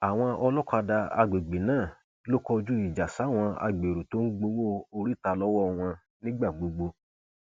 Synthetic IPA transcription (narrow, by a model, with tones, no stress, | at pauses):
a˨w̃ɔ̃˧ʔɔ˧lɔ˦ka˧da˧a̰˧ɡ͡be˨ɡ͡be˨nãː˦˨ | lo˦kɔ˧d͡ʒu˦i˦˨d͡ʒa˨sa˨˦˨w̃ɔ̃˧a̰˧ɡ͡be˨ɾo˨to˦n̩˦ɡ͡bo˧˦wo˦o˧ɾi˦˨ta˧lɔ˦wɔ˦˧w̃ɔ̃˧ | nĩ˦ɡ͡ba˦˨ɡ͡bo˧ɡ͡bo˧